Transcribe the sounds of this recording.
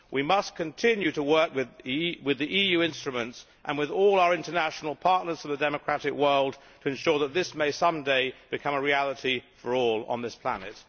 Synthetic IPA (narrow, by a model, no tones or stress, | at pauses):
wimʌskʰɨ̃ntʰɪ̃njʉɾəwɜ˞kwɨðwɪðiʔijʉɪ̃nstɹ̥ɨmɨ̃nts | ʔə̃nwɨðɔlˠaʊə˞ɪ̃ntənæʃn̩l̩ˠpʰɑɹʔⁿnə˞z̥ʌ̃vðɨdɛmɨkʰɹ̥æɾɪkwɜ˞lˠd̚ | tʰɨɨ̃nʃɔɹðət̪̚ðɪsmeɪsʌ̃mdeɪb̥ɨkʰʌ̃məɹiælˠəɾifə˞ɔlˠə̰̃nðɪspʰl̥æ̰nɨ̰t̚